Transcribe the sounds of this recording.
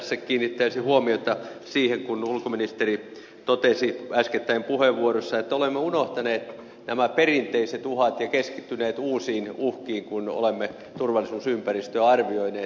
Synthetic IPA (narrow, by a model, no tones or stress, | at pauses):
sːekkiːnːit̪ːæisihuomiot̪ɑ | siːheŋkunulkominist̪eri | t̪ot̪esiæsket̪ːæimpuheʋʋuorosːɑet̪ːæolemːeunoht̪ɑneːt̪ | næmæperint̪eiset̪uhɑt̪jɑkeskit̪ːyneːt̪uːsiːnuhkiːŋkuno̰lemːe | t̪urʋɑlːˑisuːsympærist̪øɑrʋioineː